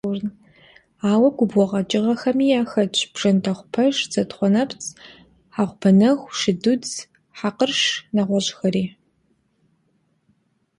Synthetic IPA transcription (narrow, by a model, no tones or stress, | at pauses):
ʊrn | aːwɐɡʷʊbɔʁɐt͡ʃʼɪʁɐxɐmiːjaːxɐt͡ʃʰʼb̥ʐɐntʰɐχʷʊpʰɐʂd͡zɐtχʷɔnɐpt͡sʰʼ | ħaːʁʷbʰɐnɐxʷʂɪdud͡z | ħaqərʂnɐʁʷɔɕʼxɐɾiː